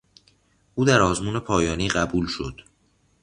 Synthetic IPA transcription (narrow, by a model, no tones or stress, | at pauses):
ʔuːd̪æɾɒːzmuːne̞pʰɒːjɒːniːɢæbuːlʃo̞d̪̥